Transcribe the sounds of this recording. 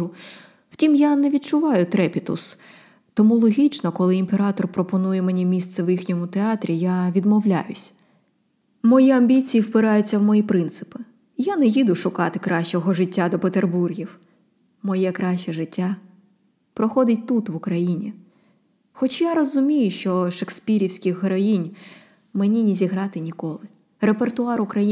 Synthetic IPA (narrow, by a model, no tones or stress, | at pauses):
u | w̥tʲimjanɛʋʲid̪̚t͡ʃʊʋɑjʊt̪ɾɛpʲit̪ʊ̰s | t̪ɔmulˠɔɦʲit͡ʃnɔkɔlˠɪimpeɾɑt̪ɔrpɾɔpɔnujɛmenʲimʲist̪sɛwjixnʲɔmʊt̪eɑt̪ɾʲijaʋʲid̪mɔwlʲa̰jʊsʲ | mɔjiɐmʲbʲit͡sʲijiwpɪɾɑjʊt͡sʲːɐwmɔjipɾɪnt̪sɪ̥pɪ | janɛjid̪ʊʃʊkɑt̪ɪkɾɑʃt͡ʃɔɦɔʐɪtʲːad̪ɔpet̪erburɦʲiw | mɔjɛkɾaʃt͡ʃɛʐɪtʲːa | pɾɔxɔd̪ɪtʲt̪ut̪ʋʊkɾɐjinʲi | xɔt͡ʃjaɾɔzʊmʲijʊʃt͡ʃɔʃekspʲiɾʲiwsʲkʲɪxɦɾɔjinʲ | menʲinʲizʲiɦɾɑt̪ɪnʲikɔlˠɪ | repert̪ʊɑɾʊkɾɐji